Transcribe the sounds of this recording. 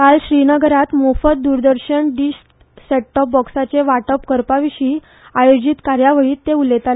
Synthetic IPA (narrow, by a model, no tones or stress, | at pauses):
kalɕɾinəɡəɾat̪mofət̪̚d̪uɾd̪əɾɕəɳɖiɕʈ | seʈəp̚bɔksat͡seʋaʈəpkəɾpaʋiɕiː | ajod͡ʑit̪kaɾjaʋəɭiːt̪ːeulet̪al